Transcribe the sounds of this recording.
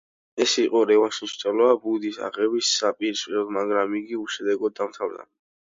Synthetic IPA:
ɛsiqʼɔɾɛvaʃiʃt͡ʃ̪ʼɛlɔabud̪isa̰ʁɛbisːapʼiɾsɛlmaɡɾamiɡiuʃɛd̪ɛɡɔd̪ːamt̪ʰavd̪a̰

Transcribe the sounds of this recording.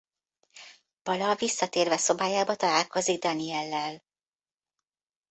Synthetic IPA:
b̥ɒlɒvisːɒt̪eːrvɛso̞baːjaːbɒt̪ɒlaːlko̞ziɡ̚d̪ɒniɛlːɛl

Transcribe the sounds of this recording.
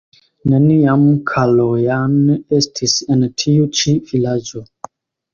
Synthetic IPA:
neniamkʰalojanestʰisentʰiut͡ʃivilad͡ʒo

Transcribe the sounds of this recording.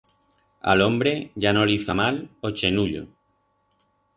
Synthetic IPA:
a̰lõmbɾeʝanõliθamalot͡ʃenuʎo̰

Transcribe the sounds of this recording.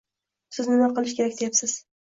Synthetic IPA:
sɪznɪmaqɨlˠɪʃkʲʰe̞ɾakʲd̪ejapsɪz̥

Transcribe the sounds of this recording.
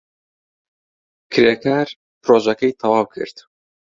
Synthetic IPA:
kʰɨɾjakʰaːɾ | pɾoːʒɛkejt̪ʰɑwaːwkʰɨ̰ɾt̪

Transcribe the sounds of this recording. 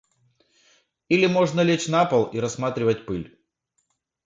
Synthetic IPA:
ilʲɪmo̞ʐnəlʲet͡ɕnapəlˠiɾɐsmat̪ɾʲɪvət̚ʲpɨlʲ

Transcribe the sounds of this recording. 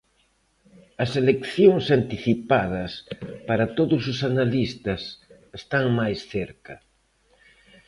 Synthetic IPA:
ɐselekθjoŋsant̪iθipaðɐspaɾat̪oðʊsʊsanalist̪ɐs | est̪aŋmajsθeɾkɐ

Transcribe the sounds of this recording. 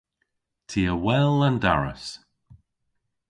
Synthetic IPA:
tʰiːəwɛlˠanda̰ɹə̰s

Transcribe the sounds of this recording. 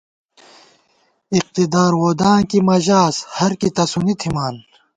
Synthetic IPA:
iq̚t̪id̪aːɾwoːd̪aːnkimɐʑaːshɐɾkit̪ɐsunit̪ʰimaːn

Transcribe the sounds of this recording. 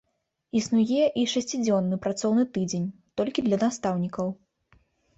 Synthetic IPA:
isnujɛʔiʂasʲt͡sʲid͡zʲɔnːɨpɾat̪sɔwnɨt̪ɨd͡zʲenʲt̪ɔlʲkʲid̪lʲɐnast̪awnʲikɐw

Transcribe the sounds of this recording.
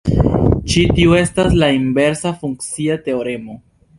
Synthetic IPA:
t͡ʃitiue̞staslaimbe̞ɾsafuŋkt͡siate̞o̞ɾe̞mo̞

